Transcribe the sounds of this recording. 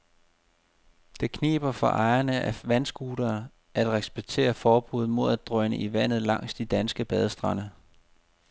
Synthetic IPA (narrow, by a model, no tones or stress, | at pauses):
d̥e̝kʰne̝̰ːb̥ɐfɒʔɑ̈ɪɐnəʔæʋænsɡ̥uːɾ̥ɐː | ʔæd̥ʁɛsb̥eɡ̥̚t͡sʰe̝̰ːɐfɒːb̥uð̩ˠmo̝ð̞̰ˠæd̥̚d̥ʁœnəʔiʋæn̰ð̞̩ˠlɑ̈ŋ̰sd̥id̥ænsɡ̥əb̥ɛð̞ˠsd̥ʁɑ̈nə